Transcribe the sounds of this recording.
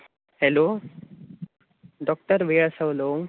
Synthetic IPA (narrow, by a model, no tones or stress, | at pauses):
heloː | ɖɔk̚ʈəɾʋeːɭsɐloː